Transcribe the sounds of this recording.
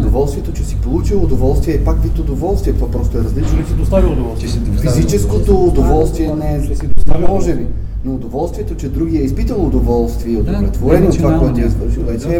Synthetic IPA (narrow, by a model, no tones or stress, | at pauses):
d̪ovɔlˠst̪viɛt̪ot͡ʃɛsi̥polˠut͡ʃilˠoːd̪ovɔlˠst̪viɛɛpakvit̪od̪ovɔlˠst̪vʲiɛt̪o̥apɾɔst̪oɛɾɐzlit͡ʃnosid̪ost̪avild̪lˠ | fzit͡ʃɛskot̪oːd̪ovɔlˠst̪viɛnɛsid̪ost̪aimɔʒɛbi | noːd̪ovɔlˠst̪viɛt̪ot͡ʃɛd̪ɾuɡiɛispit̪əlˠoːd̪ovɔlˠst̪viɛod̪oɾɛt̪voɾɛnott̪vakɔɛt̪jɛsvəɾʃilˠvɛt͡ʃɛ